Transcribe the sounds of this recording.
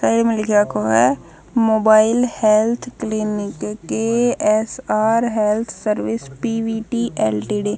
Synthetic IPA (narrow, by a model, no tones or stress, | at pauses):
saiɾemɪlkjakoɦɛ | moːbaːɪlhɛːlt̪ʰklinɪkkːeɛsaːɾɦɛːlt̪ʰsəɾʋɪspiʋiːʈiːʔɛːlʈiːɖeː